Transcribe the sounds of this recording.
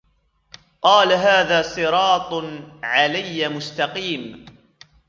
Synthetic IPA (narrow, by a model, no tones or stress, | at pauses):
qɑːlaɦaːðaːsˤɨɾɑːt̪ˤʕalajːamʊst̪ɑqiːm